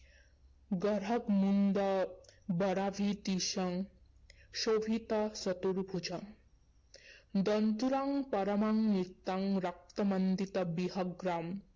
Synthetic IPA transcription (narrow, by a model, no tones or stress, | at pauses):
ɡʌɾɐkmund̪ɐbʌɽabʱit̪iʃɐŋ | ʃoʋʱit̪ɐsɔt̪uɾbʱut͡ʃɐ | d̪ʌnt̪uɾaŋpɐɾɐmaŋnit̪ːaŋɾak̚t̪ɐmʌnd̪it̪ɐbiɦɐɡɾam